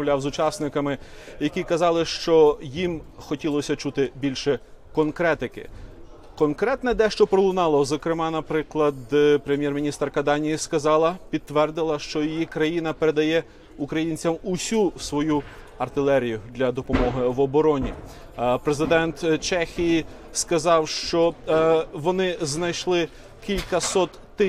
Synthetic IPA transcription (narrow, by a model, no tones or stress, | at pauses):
wlʲɑwzʊt͡ʃɑsnɪkɐmɪjɐkʲikɐzɑlˠɪʃt͡ʃɔjimxɔtʲilˠɔsʲɐt͡ʃut̪ɪbʲilʲʃɛkɔnkɾɛt̪ɪkɪ̰ | kɔnkɾɛt̪nɛd̪ɛʃt͡ʃɔpɾɔlˠʊnɑlˠɔzɐkɾɪmɑnɐpɾɪklˠɐd̪pɾemʲjɛrmʲinʲist̪rkɐd̪ɑnʲijiskɐzɑlˠɐpʲid̪̚t̪ʋɛrd̪ɪlˠɐʃt͡ʃɔjijikɾɐjinɐpeɾe̞d̪ɐjɛ | ukɾɐjinʲt͡sʲɐmʊsʲusʋɔju | ɐrt̪ɪlˠɛɾʲijʊd̪lʲɐd̪ɔpɔmɔɦɪʋɔbɔɾɔnʲḭ | pɾezɪd̪ɛnt̪t͡ʃɛxʲiji | skɐzɑwʃt͡ʃɔ | ʋɔnɪznɐjʃlˠɪ | kʲilʲkɐsɔt̪ːɪ